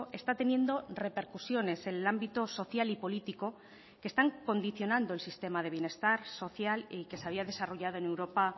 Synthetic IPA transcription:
e̞st̪at̪e̞njẽ̞nd̪o̞re̞pe̞ɾkusjo̞ne̞se̞nelambit̪oso̞θjalipo̞lit̪iko̞ | ke̞st̪aŋko̞nd̪iθjo̞nãnd̪oelsist̪e̞mað̞e̞β̞je̞ne̞st̪aɾso̞θjalike̞seaβiaðe̞saro̞ʝað̞o̞e̞ne̞wɾo̞pa

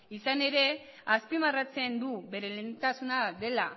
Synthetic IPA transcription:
isane̞ɾe̞ | aspimarat͡se̞nd̪uβe̞ɾelent̪asunaðe̞la

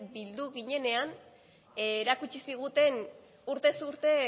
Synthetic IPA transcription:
bild̪uɣiɲe̞ne̞an | eɾakut͡ʃisiɣ̞ut̪e̞n | uɾt̪e̞suɾt̪e̞

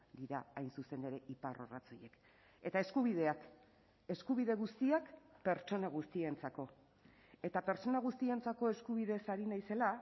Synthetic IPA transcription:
d̪iɾaajnsuse̞ne̞ɾe̞ʔiparo̰ra̰t͡soje̞k | e̞t̪ae̞skuβ̞ið̞e̞ak | e̞skuβ̞iðeɣust̪iakpe̞ɾt͡ʃo̞naɣ̞ust̪ie̞nt͡sako̞ | e̞t̪apeɾt͡so̞naɣust̪ie̞nt͡sako̞e̞skuβiðe̞saɾinajse̞la

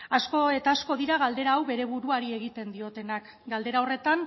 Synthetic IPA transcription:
asko̞e̞t̪aːsko̞ðiɾaɣ̞ald̪e̞ɾaːwβe̞ɾe̞βuɾuaɾie̞ɣit̪e̞nd̪io̞t̪e̞nak | ɡald̪e̞ɾao̞re̞t̪an

